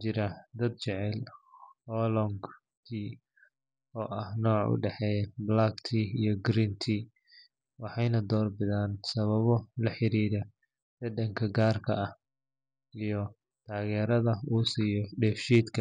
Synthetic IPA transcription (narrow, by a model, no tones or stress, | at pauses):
t͡ʃɪɾɐd̪ɐd̪̚t͡ʃɛʕɛlhɔlɔŋɡ | k̪ʰiː | ɔːʔɐhnɔːʕʊ̰ɖɛħɛjblakt̪ʰiːijɞɡɾiːnt̪ʰiː | wɑħɑjnɐd̪ɔːrbɪðaːnsɐβɐβɔlɐħɪɾiːɾɐ | dɛd̪ɐŋkʰɐɡaːrkʰɐ̰ɐh | ijɔ | t̪ʰaːɣɛːɾɐðɐuːsiːjɔɖɛːfʃiːd̪kʰɐ